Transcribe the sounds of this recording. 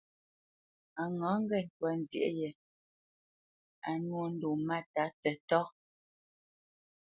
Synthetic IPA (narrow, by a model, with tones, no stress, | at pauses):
a˨ŋɔ˨˦ŋ̩˦ɡɛ˦˨n̩˨twa˨˦n˨zj̰ʔe˦jɛ˨ | a˨nwo˦n̩˦du˨ma˦ta˨˦tɛ˨tɔ˦